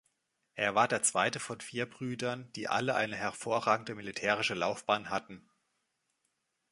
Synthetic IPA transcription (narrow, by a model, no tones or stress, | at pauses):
ʔeːɐvaːɐdeːɐt͡sv̥aɪtəfɔnfiːɐbʁyːdɐnd̥iːʔa̰ləʔa̰ɪnəɦɛɐfoːɐʁaːɡŋ̩dəmilitʰɛːʁ̞ɪʃəlaʊfb̥aːnɦatn̩